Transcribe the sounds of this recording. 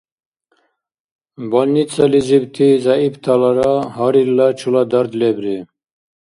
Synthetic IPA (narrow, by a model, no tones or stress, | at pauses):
bɔlnit͡sɐlizibt̪ʰizaibt̪ʰalaɾaɦaɾilat͡ʃʰulad̪ɐɾd̪lebɾi